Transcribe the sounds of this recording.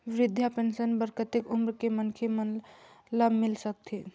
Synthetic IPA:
ʋɾɪd̪ʱjapensənbəɾkət̪ikumɾkemənkʰemənlamɪlsək̚t̪ʰi

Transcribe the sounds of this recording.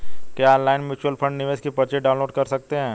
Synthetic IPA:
kjaːnlaːɪnmjʊːt͡ʃuwəlfʰɐ̃ɳɖnɪʋeːʃkepɐɾt͡ʃeɖãːʊ̃nloːɖkɐɾsɐk̚t̪eɦɛ̃ː

